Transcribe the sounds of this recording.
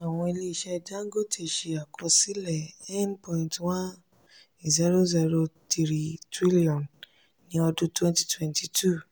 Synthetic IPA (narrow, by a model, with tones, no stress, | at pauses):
a˨w̃ɔ̃˧i˧le˦˨i˨ʃɛ˧da˦ŋ˦ɡo˦˨tʰe˧˦˨ʃe˧a˨kɾɔ˧si˦lɛ˨ɛ˦npɔ̃˧ĩ˨ntwã˦n˨ | zi˦ɾo˦zi˧ɾo˧ti˧ɾi˦tɾi˦li˦ɔ̃˨n | nĩ˦ɔ˧dũ˦twɛ̃˦nti̥˧˦twɛ̃˧nti˧tʰu˦˨